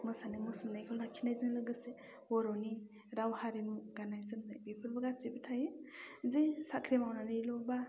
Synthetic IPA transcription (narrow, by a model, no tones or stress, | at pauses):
mɯsanɯmɯsɯndajkʰɔlnakʰːinajzɯnlɯɡɯse | bɔɾɔni | ɾawhaɾinuɡanajzɯndajbipʰɯɾbɯɡasibitʰajizesakʰɾimawnanɯjlɔba